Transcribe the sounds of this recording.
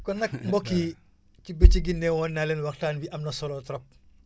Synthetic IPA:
kɔnɐkmbɔkːi | cibet͡ʃiɡinːɛwɔnːaːlɛːnwɐxtaːnbiʔɐmnɐsɔlɔːtɾɐp̚

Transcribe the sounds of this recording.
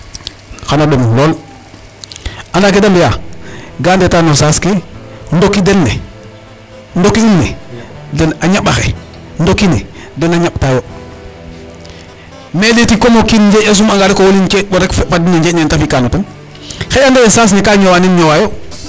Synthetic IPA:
xanadomloːl | andakedambjaɡaːndetanosaskendokːidenːḛ | ndokiinːɛ̰denaɲaɓaxḛ | ndokinɛ̰dɛnaɲaɓtajo | medetikomokinɲd͡ʒeas̬umaŋɡaɾekowolint͡ʃeboɾekfadineɲd͡ʒenentafikanoten | xeandajesaːs̬nekaɲowaːninɲowajo

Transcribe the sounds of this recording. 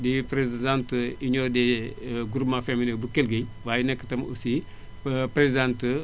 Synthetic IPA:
dipɾezidãntəiɲɔdeɡuɾumafeminebukelɡej | waːjinɛkːə̥tɐmṵsi | pɾezdãntə

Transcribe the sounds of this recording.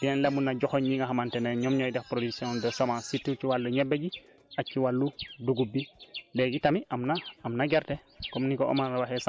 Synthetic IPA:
biɛnlemunːaɟoxoɲɲiŋaɦamanteneɲomɲojdɛxpɾodiksiõndosomasitːut͡ʃiwalːuɲebːeɟi | at͡ʃːiwalːuduɡubːileɡitamiamnaamnaɡeɾte | komnikoo̰manɾawaxesa

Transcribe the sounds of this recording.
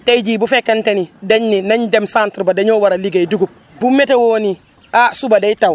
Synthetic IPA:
tajd͡ʒibufɛkantɛnidaɲːinaɲdɛmsantɾbadaɲɔwaɾaliɡajduɡup̚ | bumːɛtɛwoːni | asubadajtaw

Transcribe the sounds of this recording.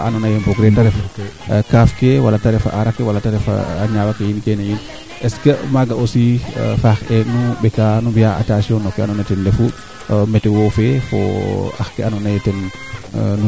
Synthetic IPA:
ʔanɔnajeboɡɾetaɾɛfkafkewalataɾɛfa̰ʔaɾakːewalataɾɛfa̰ːɲawakejinkenajin | ɛskəmaɡaosifaxenubɛkanumbijaa̰tasiɔnɔkːɛa̰nɔnatɛnlefu | mɛtɛwofefo̰a̰xkeanɔnajɛtɛn | nu

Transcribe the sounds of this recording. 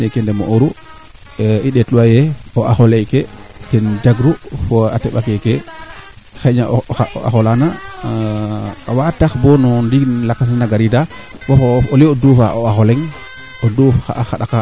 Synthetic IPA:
nɛkɛndɛmo̰ʔoɾu | iɗɛtluwajɛɔaxɔlɛjketɛnd͡ʒaɡɾufɔa̰tɛɓakɛkɛ | xɛɲaa̰a̰xɔlana | wataxbɔnɔndiɡnlakːas̬naɡaɾida | wafooliodufaʔoaxɔlɛŋ | odufxa̰axaɗaka

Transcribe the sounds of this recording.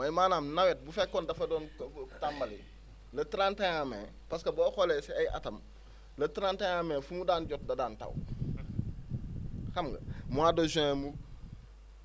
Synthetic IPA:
mɐjmaːnaːmnawet̚bufekːoːndɐfɐdoːntambɐli | lɐtiɾaːntajamḛ | paskɐboːxoleseajʔa̰tɐm | lɐtiɾantajameːfumudaːnɟot̚dɐdaːntɐ̰w | xɐmɡɐ̰muadozẽmu

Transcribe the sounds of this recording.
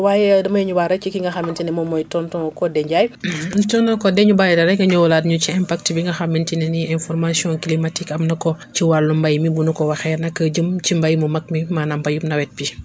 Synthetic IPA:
wajɛdɐmɐjiɲuwaɾɐt͡ʃikiŋɡɐxamintinɛmɔmɔjtɔntɔŋkɔdɛɲɟajtɔnɐkɔdɛɲubajɛdɐɾɛŋɡɐɲɔwladɲut͡ʃiɛmpak̚tibiŋɡɐxamːintinɛniɛ̃nfɔɾmasiɔ̃kilimatikɐmnɐkɔ | t͡ʃiwaɾlumbajmibunukɔwaxɛɾnɐkəd͡ʒəmt͡ʃimbajmumɐk̚mimanambɐjumnɐwɛt̚bi

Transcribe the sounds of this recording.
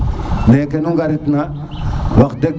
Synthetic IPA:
nekenuŋɡaɾit̪na | wakdek

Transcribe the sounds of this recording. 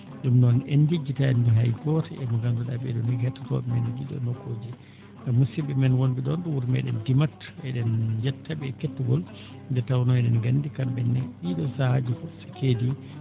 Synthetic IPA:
ɗumnɔnɛnd͡ʒid͡ʒːitaɛndɔɦajkɔtɛmɔɡanduɗa̰bɛɗɔnɛɡɛtːatɔ̰ɓɛmɛnid͡ʒiɗɔ̰nɔkːod͡ʒi | amusibɛmɛnwonbiɗɔnɗuwuɾmɛ̰ɗɛndimatːɛɗɛnd͡ʒɛtʰːabɛkɛtːuɡɔl | ndɛtawnɔɛɗɛnɡandikambɛnːɛɗiɗɔsahad͡ʒifɔsḁkedi

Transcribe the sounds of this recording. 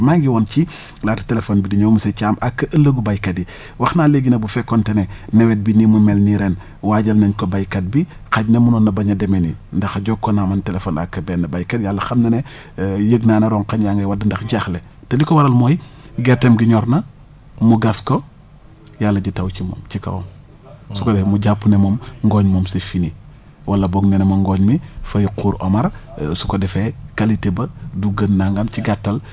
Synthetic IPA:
maŋɡiwɔnt͡ʃi | laːtɐ̥telefonbidiɲomusecaːmʔakːɐʔɐlːəɡubajkɐdi | wɐxnaːleɡinɐbufɛkːɔntɛnɛnɛwɛt̚binimumɛlniɾɛn | waːɟɐlnɐɲkɔbajkɐd̚bi | xɐɟnɐmunɔːnːɐbɐɲɐdɛmenindɐxɐɟɔkːɔnamɐntɛlefoːna̰kːɐbɛːnːɐbajkɐdjalːɐxɐmnɐnɛ | jəɡnaːnɐɾɔːŋkɐnjaŋɡɐwɐdɐndɐxɟaxle | tɐlikowɐɾɐlmoːjɡetːemɡiɲɔɾnɐ | muɡasko | jalːɐɟitɐwt͡ʃimo̰mt͡ʃikɐ̰wo̰m | sukodɛfmuɟapːunemomŋɡɔːɲmomsefini | wʔɐlːɐboɡnenemoŋɡoːɲmifɐjiquːɾʔomɐɾsukodɛfekalitebɐduɡənːaŋɡamt͡ʃiɡatːɐl

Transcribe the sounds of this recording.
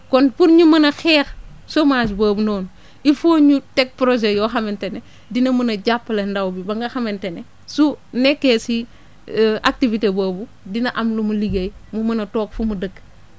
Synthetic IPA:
kɔnpuɾɲumɐnɐxɛːx | somaːd͡ʒbɐːbunoːn | ifoɲutɛk̚pɾoʒejɔːxɐmentene | dinɐmɐnɐɟapːlendɐwbibɐŋɡɐxɐmentene | sunɛkːesi | ʔak̚tivitebɐːbu | dinɐʔɐmlumuliɡɐjmumɐnɐtɔːk̚fumudəkː

